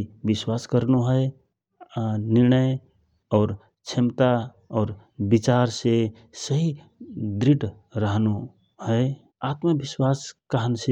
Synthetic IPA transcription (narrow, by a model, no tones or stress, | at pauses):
biswaskəɾnuɦəe | niɾnəj | ɔːɾ | t͡ʃʰemt̪a | ɔːɾ | bit͡ʃaɾse | səɦi | d̪ɾiʈ | ɾəɦnu | həe | at̪məbiswaskaɦənse